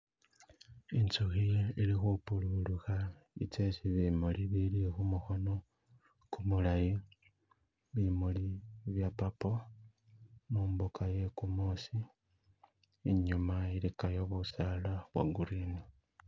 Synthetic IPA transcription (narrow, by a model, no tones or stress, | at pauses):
int͡soxijilixupululuxaḭt͡sesiβimoliβilixumuxo̞no̞ | kumulaji | βimuliβjapapo̞ | muːmbukʰaje̞kumoːsi | ɲumailikajo̞βusalaβwa̰ɡuɾini